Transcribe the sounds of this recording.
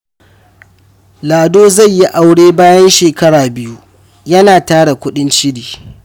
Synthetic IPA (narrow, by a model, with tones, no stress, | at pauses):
laː˨doː˦zɐ˦˨ɲji˦ʔa˨wɽeː˦baː˦jɐ˦nʃeː˨kɐ˦ɽaː˨bɪ˦ju˦ | jɐ˦naː˨taː˦ɽa˨kʷʊ˦ɗɪ˦nt͡ʃɪ˦ɽiː˨